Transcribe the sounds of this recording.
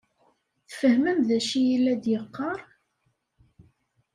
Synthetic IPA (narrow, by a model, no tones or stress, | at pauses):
θfəhməmðæʃijilːæd̪jəqːɑɾˤ